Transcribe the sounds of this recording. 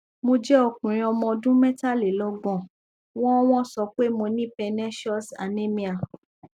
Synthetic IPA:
mo˧d͡ʒɛ˦ɔ˧kũ˨ɾ̃ĩ˧ɔ˧mɔ̃˧dũ˦mɛ˦ta˦˨le˨lɔ˧˦ɡ͡bɔ̃˨ | w̃ɔ̃˦w̃ɔ̃˦sɔ˨˧k͡pe˦mo˧nĩ˦pɛ˧nɛ˦ʃɔ˦sa˨nẽ˦mĩ˧˦a˨

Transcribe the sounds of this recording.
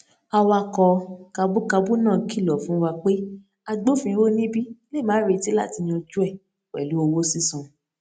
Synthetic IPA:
a˧wa˧kɔ˧ka˧bu˦ka˧bu˦nãː˦˨ki˦˨lɔ˨fũ˨˦wa˧k͡pe˦ | a˧ɡ͡bo˦fĩ˧ĩ˧wo˦nĩ˦bi˦le˦˨mãː˨˦ɾe˧ti˦la̰˦˨ti˧nĩ˧ɔ˧d͡ʒu˦ɛ˦˨ | wɛ̰˨lu˨˦o˧wo˦si˦sũ˧

